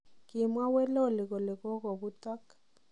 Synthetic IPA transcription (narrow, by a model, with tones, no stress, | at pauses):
kɪ˨mwa˦wɛ˦lɔ˦˨lɪ˨ɣɔ˨lɪ˨ɣɔ˦ɣɔ˨βu˦ta˦k